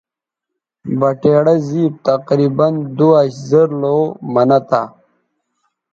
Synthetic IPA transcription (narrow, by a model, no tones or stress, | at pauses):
bɐʈeːɽɐziːp̚t̪ɐqɾiːbɐnd̪uaɕzɐɾloːmɐnɐt̪a